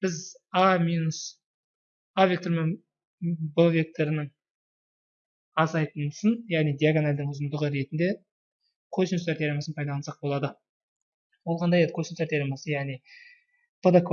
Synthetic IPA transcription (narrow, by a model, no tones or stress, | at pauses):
b̥ɪzaminus | avʲe̞kt̪o̞ɾmen | bəvʲe̞k̚t̪ʰo̞ɾɪnɪŋ | ɑzɑjt̪ənsənjæʁnijd̪ijaɡonalʲd̪ɪŋʊzəmd̪əʁəɾe̞t̪ɪnd̪e̞ | kʰosint̪aɾt̪ʰʲeɾemɑsənpʰɑjd̪ɑɑnsɑq̚bo̞lˠɑd̪ə | wo̞lˠʁɑnd̪ɑjed̪kʰosint̪eɾt̪ʰeɾemɑsəjæʁnij | pʰəd̪ək